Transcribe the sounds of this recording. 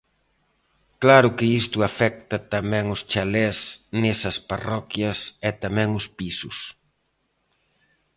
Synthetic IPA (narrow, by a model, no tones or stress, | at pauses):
klaɾʊkɪist̪ʊafɛk̚t̪ɐt̪amɛ̃ŋʊst͡ʃalɛsnesɐsparɔkjɐsɛt̪amɛ̃ŋʊspisʊs